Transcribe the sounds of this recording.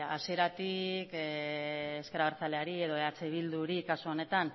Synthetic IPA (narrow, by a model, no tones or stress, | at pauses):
asie̞ɾat̪ik | eskeɾaβeɾt͡sale̞aɾie̞ðo̞eat͡seβild̪uɾikasoone̞t̪an